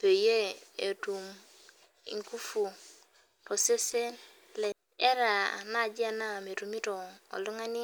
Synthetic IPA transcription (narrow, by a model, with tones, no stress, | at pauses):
pe˨je˦e˨tu˨m | ḭ˨ŋku˦fu˨ | to˨se˦se˦n | le˨ | e˦ɾa̰˨na˦˨d͡ʒi˦a˦na˦˨me˨ɾu˨mi˦to˨o̰˨lu˦ŋa˦ni˦